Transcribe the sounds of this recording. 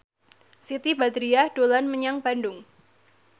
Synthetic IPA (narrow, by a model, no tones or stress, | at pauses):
sit̪ibad̪ɾiad̥olanməɲaŋb̥andʊŋ